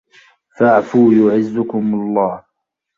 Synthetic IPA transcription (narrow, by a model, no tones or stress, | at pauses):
faʕfuːjʊʕɪzːʊkʊmlˤːɑːh